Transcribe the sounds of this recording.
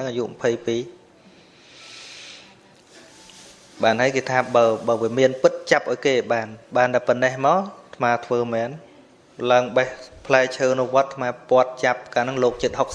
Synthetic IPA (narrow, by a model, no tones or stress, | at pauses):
aŋʔaːjṵʔməpʰəjpiː | ɓaːnhɦaəjkeːt̪ʰaːɓaəɓəːʋiəmiənpɨt̪̚t͡ɕap̚ʔaɔjkeːɓaːnɓaːnɗ̪aɛpɔnːɛhmaɔlt̪ʰmaːt̪ʰʋəːmɛːn | laəŋɓəhpʰlaɛt͡ɕʰəːnuʋŏət̪ʰːmaːpŏət̪̚t͡ɕap̚kaːnɨŋloːk̚t͡ɕɨt̪̚hok̚s